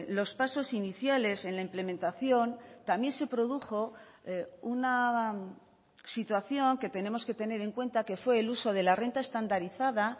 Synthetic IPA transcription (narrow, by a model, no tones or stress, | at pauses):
lo̞spaso̞siniθjale̞se̞nlaimple̞mẽ̞nt̪aθjo̞nt̪amje̞nse̞pɾo̞ð̞uxo̞ | una | sit̪waθjo̞ŋke̞t̪e̞ne̞mo̞ske̞t̪e̞ne̞ɾe̞ŋkwe̞nt̪ake̞fwe̞ːluso̞ð̞e̞lare̞nt̪aest̪and̪aɾiθaða